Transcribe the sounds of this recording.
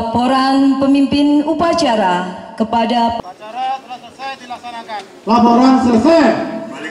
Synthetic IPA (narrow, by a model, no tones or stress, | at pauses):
poɾanpəmimpɪnupat͡ʃaɾakəpadap | lapoɾansərsɛ